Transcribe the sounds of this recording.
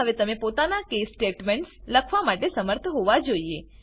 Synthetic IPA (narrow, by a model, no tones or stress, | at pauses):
əʋet̪əmepot̪anakesːʈeʈmeɳʈsləkʰʋamaʈesəməɾt̪ʰəɦoʋad͡ʒoie